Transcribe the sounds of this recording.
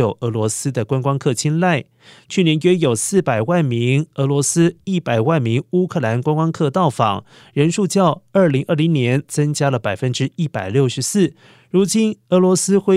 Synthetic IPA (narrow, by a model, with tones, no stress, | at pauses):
o˨˩ʊʔɤ˧˥lwɔ˧˥sɹ̩˥d̪ə˨kwa˥nkwɑ˥ŋkʰɤ˥˩t͡ɕʰi˥nla˥˩ɪ | t͡ɕʰy˥˩njɛ˧˥nɥɛ˥jo˨˩ʊsɹ̩˥˩pa˨˩ɪwa˥˩nmi˧˥ŋɤ˧˥lwɔ˧˥sɹ̩˥i˥˩pa˨˩ɪwa˥˩nmi˧˥ŋu˥kʰɤ˥˩la˧˥nkwa˥nkwɑ˥ŋkʰɤ˥˧t̪ɑ˥˩ʊfɑ̰˨˩˦ŋ | ɻə˧˥nʂu˥˧t͡ɕjɑ˥˧ʊə˞˥˩li˧˥ŋʔə˞˥˩li˧˥ŋnjɛ˧˥nt͡sɤ˥ŋt͡ɕja˥lə˨˩pa˨˩ɪfə˦˥nʈ͡ʂɻ̩˥i˥˩pa˨˩ɪljo˥˩ʊʂɻ̩˧˥sɹ̩˥˩ | ɻu˧˥t͡ɕi˥nɤ˧˥lwɔ˧˥sɹ̩˥xwe˥˩